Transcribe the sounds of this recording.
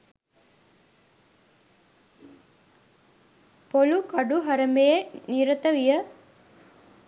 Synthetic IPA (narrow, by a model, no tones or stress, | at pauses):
polukɐɖuɦɐɾɐmbejeniɾɐt̪əʋijə